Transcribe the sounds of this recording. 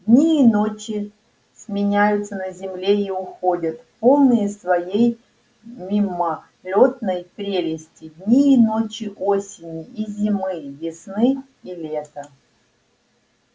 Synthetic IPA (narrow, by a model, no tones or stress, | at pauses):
dʲnʲiːnot͡ɕɪ | sʲmʲɪnʲæjʊt̪sənəzʲɪmlʲeiʊxo̞dʲət̪po̞lˠnɨjəsvɐjej | mʲimːə | lʲo̞t̪̚nəjpɾʲelʲɪsʲtʲɪd̪ʲnʲiːnot͡ɕɪʔosʲɪnʲɪizʲɪmɨvʲɪsnɨ | ilʲet̪ə